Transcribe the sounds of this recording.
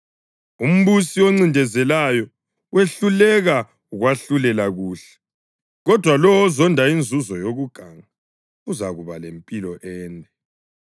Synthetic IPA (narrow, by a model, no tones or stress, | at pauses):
um̩βusiwoŋ͡ǀindʱɛzɛlajɔ | weɬulɛɣa | uɣwaɬulɛlaɣuːɬɛ̥ | ɣɔd̥ʱwalɔwɔzɔndʱaind͡zʱuzɔjoɣuɡ̥ʱaŋa | uzaɣuβalempʼilɔʔɛːnɛ